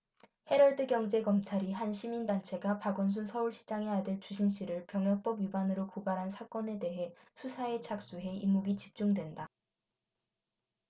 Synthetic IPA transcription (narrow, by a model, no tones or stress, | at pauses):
he̞ɾʌɭdɯɡjʌŋd͡ʑe̞ɡʌmt͡ɕʰaɾiɦanɕʰimindant͡ɕʰe̞ɡapaɡʌns̬ʰunsʰʌuɭɕʰi̥d͡ʑaŋe̞adɯɭt͡ɕuɕ̬ʰinɕ͈iɾɯɭpjʌŋjʌk̚p͈ʌbɥibanɯɾokobaɾɦansʰak͈ʌne̞de̞ɦe̞ | sʰusʰae̞t͡ɕʰak̚s͈uɦe̞imuɡit͡ɕip̚t͡ɕ͈uŋdwe̞nda